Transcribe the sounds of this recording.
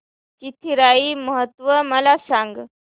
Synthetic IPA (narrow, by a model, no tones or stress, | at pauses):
t͡ɕit̪ʰiɾaiməɦət̪ʋəməlasaŋɡ